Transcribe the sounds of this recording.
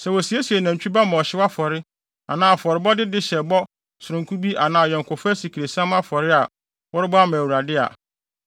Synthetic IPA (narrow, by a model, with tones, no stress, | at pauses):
sɛ˨wɔ˨si˨e˦si˨e˨nã˨m˨t͡ɕᶣi˦ba˦mã˨ɔ˨ɕɪ˦wa˦fɔ˨ɾɪ˦ | a˨nãː˨fɔ˨ɾɪ˨bɔ˦dɪ˦dɪ˦ɕɛ˨bɔ˦ | sʊ˨ɾʊ̃˨ŋ˨kʰu˦bi˦ʔa˨nãː˨jɛ˨ŋkʰʊ˨fʊ˦æ˦si˨kʰi˨ɾe˨sã˦m˦a˦fɔ˨ɾɪ˦a˨ | wɔ˦ɾɪ˦bɔ˦a˦mæ̃˨wu˨ɾa˨dɪ˦a̰˨